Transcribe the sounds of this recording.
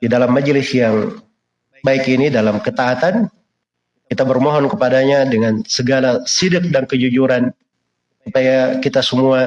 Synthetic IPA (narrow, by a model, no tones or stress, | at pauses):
didalamːad͡ʒlɪsjaŋ | baɪkinidalamkət̪aːt̪an | kit̪abərmɔɦɔnkəpadaɲadəŋansəɡalasidɪk̚daŋkəd͡ʒud͡ʒuɾan | ssupajakit̪asəmua